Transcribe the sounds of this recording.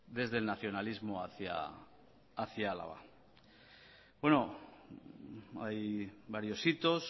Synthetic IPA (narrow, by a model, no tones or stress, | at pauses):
d̪e̞zðe̞lnaθjo̞nalizmoaθja̰ | aθjaala̰βa̰ | bwe̞no | ajbaɾjo̞sit̪o̞s